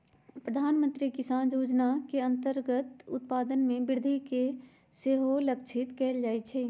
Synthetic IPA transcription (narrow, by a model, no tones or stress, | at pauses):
pɾəd̪ʱaːnmə̃nt̪ɾikɪsaːnjoːd͡ʒnakeɐ̃nt̪əɾɡət̪ʊt̪̚paːd̪ənmẽbɪɾd̪ʱike | seɦoləkt͡ʃʰɪt̪kɛːld͡ʒaːet͡ʃʰɛː